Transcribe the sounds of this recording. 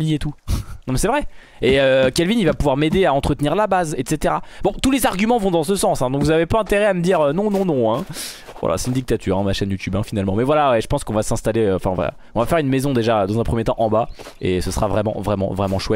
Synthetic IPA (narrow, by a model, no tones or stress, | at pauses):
lijet̪unɔ̃mɛsɛvʁɛ | eøkʲɛlvinivapuvwaʁmed̪eaɑ̃t̪χət̪niʁlabazɛt̪set̪eʁabɔ̃t̪ulezaʁɡʲymɑ̃vɔ̃d̪ɑ̃səsɑ̃sɛ̃d̪ɔ̃kvuzavepaɛ̃t̪eʁɛaməd̪iʁønɔ̃nɔ̃nɔ̃ɛ̃ | vwa̰lʔa̰sɛt̪ynd̪ik̚t̪at̪ʰy̰ːʁɛ̃d̪maʃɛnjut̪ybɛ̃finalmɑ̃mɛvwalawɛʒəpɑ̃skɔ̃vasɛ̃st̪aleøɑ̰̃fɛ̃ɑ̃vʁɛ̰ | ɔ̃vafɛʁynmezɔ̃d̪eʒad̪ɑ̃zɛ̃pχəmjet̪ɑ̃ʔɑ̃ba | esəsəʁavʁɛmɑ̰̃vʁɛmɑ̰̃vʁɛmɑ̃ʃwɛt̪